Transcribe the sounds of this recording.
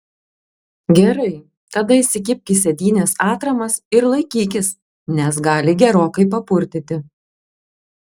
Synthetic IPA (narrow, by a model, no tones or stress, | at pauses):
ɡʲɛɾɐɪ | t̪ɐd̪ɐɪsʲɪkʲɪpʲkʲisʲɛd̪ʲiːnʲeːsɑːt̪ɾɐmɐsɪɾlˠɐɪkʲiːkʲɪs | nʲɛs̬ɡɑːlʲɪɡʲɛɾoːkɐɪpɐpʊɾʲt̪ʲɪt̪ʲɪ